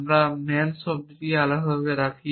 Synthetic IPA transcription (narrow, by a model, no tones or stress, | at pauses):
mɾamɛnʃɔb̚d̪iɾialaɦɔbeɾakʰi